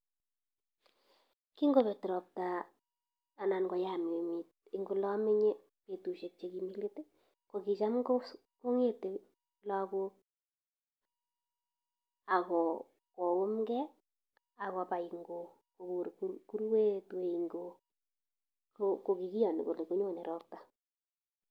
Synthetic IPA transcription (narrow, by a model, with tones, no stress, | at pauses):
ki˦ŋɡo˦˨βe˨tɪ˨ɾɔ˨p̚taː˨ | na˨nɡɔ˨ja˦˨m˨e˨mi˨t̚i˦ŋɡo˦lɔ˦mɪ˦ɲe˦ | pe˨tu˨ʃe˨k̚t͡ʃe˨ki˨mi˦le˦te˦ | ko˨ki˨t͡ʃa˦mɡo˦ | ko˦ŋe˦te˨ | la˦ko˦ | a˨ɣɔ˨ | kɔ˨wʊ˦mɡɛ˦ | a˨ɣɔ˨pa˨i˨ŋɡo˨ | ko˨ku˨ɾku˦ku˦ɾwe˦twe˨iŋɡo˨ | koko˨ki˨ki˦jɔ˨n˨ko̰˨le˨ko˦ɲ˦o˦˨nɛ˨ɾɔ˦p̚ta˨